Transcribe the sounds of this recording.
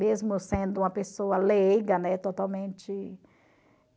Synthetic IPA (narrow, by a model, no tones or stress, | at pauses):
mezmʊsẽnd̪ʊũmɐpesoɐlejɡɐnɛt̪ot̪awmẽnt͡ʃɪ